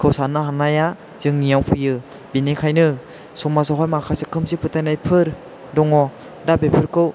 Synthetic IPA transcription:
kʰɯwsanɯɦanaja | z̥ɯŋnijawpʰujɯ | binekʰajnɯ | sɔmasɔɦɔjmakʰasekʰɯmsipʰɯtajnajpʰɯɾ | dɔŋɔ | dabepʰɯɾkʰɯw

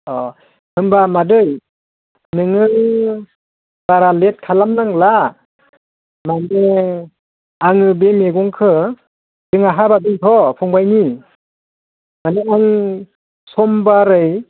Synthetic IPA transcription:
ɔ | hɯmbamadɯj | nɯŋɯ | b̥aɾalet̚kʰalamnaŋla | mane | aŋɯbemeɡɔŋkʰɯ | d̥ɯŋaɦabadɯŋkʰɔpʰɔŋbajni | maneaŋ | sɔmbaɾɯj

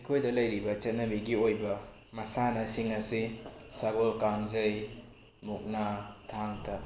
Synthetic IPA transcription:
ijkʰojdɐlɐjɾibɐt͡ʃɐt̚nɐbiɡiojbɐ | mɐsanɐsiŋɐsisaɡolkaŋzɐj | muk̚natʰaŋtʰɐ

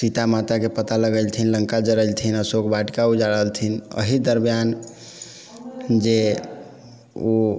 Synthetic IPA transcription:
sit̪amat̪akepət̪aləɡəlt̪ʰinləŋkad͡ʒəɾəlt̪ʰinəsokbaʈkaud͡ʒaɾəɦəlt̪ʰinə̰ɦid̪əɾbijan | d͡ʒe | o

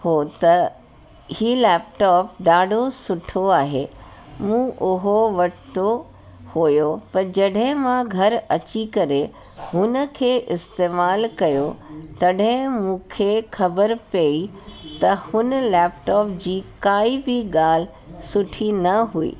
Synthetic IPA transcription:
hoːt̪ɐ | hiːlɛːpʈɔːpɖaːɖʱosʊʈʰoaːɦeːmũːʔʊɦoʋɐʈt̪o | hojopɐɾd͡ʑɐɗɦɪ̃mãɡʱɐɾɐt͡ɕikɐɾe | hʊnə̆kʰeːʔɪst̪eːmaːlkɐjot̪ɐɗɦɪ̃mũːkʰeːxɐbəɾpei | t̪ɐhʊnəlɛːpʈɔːpd͡ʑiːkaːibɪɠaːl̤ɪ | sʊʈʰinɐɦuḭː

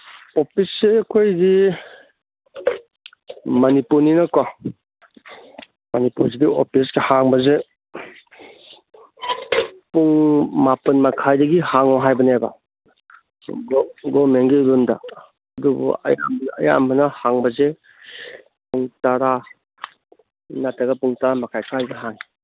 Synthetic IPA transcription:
opʰisːeɐkʰojdi | mɐnipuɾninɐkɔ | mɐnipuɾs̬idio̰pʰiskehaŋbɐze | puŋmapɐnmakʰajdɐɡihaŋɔɦajbɐneba̰ | ɡɡomenɡiɾunda̰ː | dubṵɐ̰ja̰mɐja̰mbɐnɐhaŋbɐze | puŋtaɾa | natʰɐɡɐpuŋtaɾamakʰajkʰajɡeɦaŋi

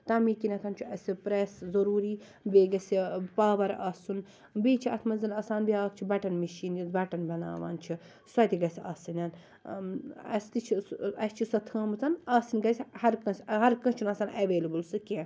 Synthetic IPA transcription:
t̪ɐmiːkinɐk̪ʰɐnt͡ʃʰiɐsipɾeːszɐɾuːɾiː | beːɡɐsipaːʋɐɾɐsun | biːt͡ʃʰiɐt̪ʰmɐnzɐnɐsaːnbiaːkt͡ʃʰibɐʈɐnmiʃiːnjɐbɐʈɐnbɐna̰ːʋa̰ːnt͡ʃʰi | sɐt̪iɡɐsʲa̰ːsinʲaːn | ɐ̰st̪it͡ʃʰiɐsʲt͡ʃʰisɐt̪ʰɐːmɐt͡sɐnaːsinɡɐsʲhɐɾkɐ̃sʲɦɐɾkɐ̃t͡ʃʰunɐːsaːnʔɐʋeːlɐbɨlsɨkʲẽ

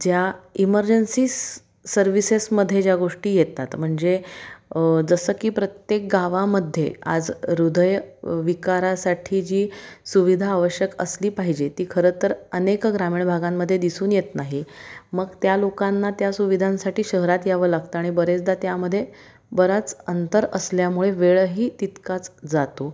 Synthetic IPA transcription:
d͡ʑjaiməɾd͡ʑənsi | səɾʋisesməd̪ʱːjed͡ʑjaɡoʂʈiːjet̪ːat̪m̤əɳd͡ze | d͡zəsəkiːpɾət̪jek̚ɡaʋaməd̪ʱːjea̰d͡zɾud̪əjʋikaɾasaʈʰiːd͡ʑiːsuʋid̪ʱaːʋəɕjəkə̰sliːpaɦid͡ʑet̪iːkʰəɾət̪əɾənekɡɾamiːɳbʱaɡamːəd̪ʱːjed̪isuːnjet̪naɦiməɡt̪jalokanːat̪jasuʋid̪ʱãnsaʈiːɕəɦɾat̪jaʋəlaɡt̪əaɽ̃ibəɾet͡sd̪at̪jaməd̪ʱːje | bəɾat͡sənt̪əɾəsljamuɭeʋeɭɦiːt̪it̪kat͡sd͡zat̪o

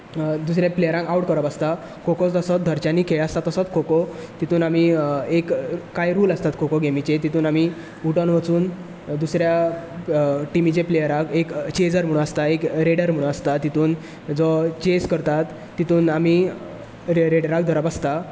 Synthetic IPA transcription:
d̪us̬ɾjaplejəɾãŋkauʈkəɾəpast̪a | kʰokɔt͡st̪əsɔt̪̚d̪ʱəɾt͡ɕanikʰeast̪at̪əsɔt̪kʰokɔt̪it̪uːnamiekːajɾuːləst̪at̪kʰokoɡemit͡ɕet̪it̪uːnami | uʈənʋət͡suːn | d̪usɾja | ʈimit͡ɕeplejəɾãkekt͡ɕed͡zəɾm̤uɭũnast̪aekɾeɽəɾm̤uɽ̃ũnast̪at̪it̪uːn | d͡zɔt͡ɕeskəɾt̪at̪ːit̪uːnami | ɾeɽəɾãk̚d̪ʱəɾəpast̪a

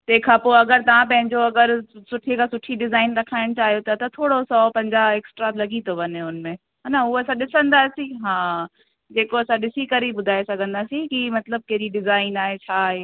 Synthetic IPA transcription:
t̪eːkʰãpoɐɡəɾt̪ɐʋãpɐ̃ɦɪ̃ɲd͡ʑoɐɡəɾsʊʈʰikʰãsʊʈʰiɖɪzaːɪnɾɐkʰaːɪɽ̃t͡ɕaːɦijot̪ʰat̪ɐt̪ʰoːɽosɔːpɐ̃ɲd͡ʑaeːksʈɾat̪lɐɡit̪ʰoʋɐnɦeʊnmẽ | ɦaːnaʊɐsãɗɪsə̃nd̪aːsĩɦãː | d͡ʑeːkoɐsãɗɪsikɐɾiɓʊd̪ʱaːesɐɡʱə̃nd̪aːsĩkimɐt̪ləb̚keːɾiɖɪzaːɪnaːɦet͡ɕʰaːɦeː

